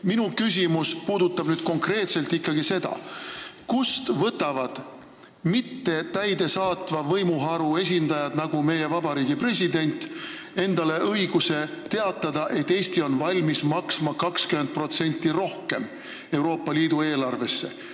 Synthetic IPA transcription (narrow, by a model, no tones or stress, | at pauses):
minukys̬ʲimuspuːd̪̥ut̪ːˑɑb̥nyːd̥̪̚ko̞ŋkre̞ːt̪se̞lt̪ikːɑɡise̞d̪̥ɑ̰kust̪vɤt̪ːˑɑvɑd̪̥ | mit̪ːe̞t̪æjd̪e̞sɑːt̪vɑvɤjmuɦɑɾue̞s̬ʲind̪̥ɑjɑd̪̥nɑɡ̥ume̞je̞vɑb̥ɑɾiːɡipre̞sʲid̪e̞nʲt̪ˑ | e̞nd̪̥ɑle̞ʔɤjɡ̥use̞t̪e̞ɑt̪ːˑɑd̪̥ɑʔe̞t̪ːe̞ːsʲt̪io̞nvɑlʲmismɑksmɑkɑkskyme̞nt̪̚pro̞t̪se̞nʲt̪ˑːiro̞hke̞m | e̞wɾo̞ːpˑːɑliːd̪ue̞ːlɑrve̞sːe̞̰